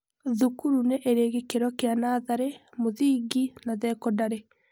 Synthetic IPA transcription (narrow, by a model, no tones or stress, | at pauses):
ðukuɾuneʔeɾeːɣekeɾɔkeanaðaɾemoðiːɡinaðɛkɔdaɾe